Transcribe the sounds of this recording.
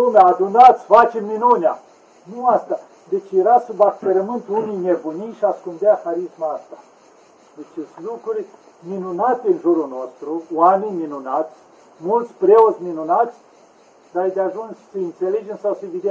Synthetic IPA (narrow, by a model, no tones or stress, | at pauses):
umead̪unat̪sʲfat͡ʃemminunʲja | nuast̪a | d̪et͡ʃjeɾasubakpeɾəmɨnt̪unijnebunijʃiaskund̪eaxaɾismaast̪a | d̪et͡ʃeslukɾuɾʲ | minunat̪eɨnʒuɾuno̞st̪ɾuwamenʲminunat̪sʲ | mult̪sʲpɾeot̪sʲminunat̪sʲ | d̪ajd̪eaʒunsʲsəint̪selid͡ʒensawsevid̪e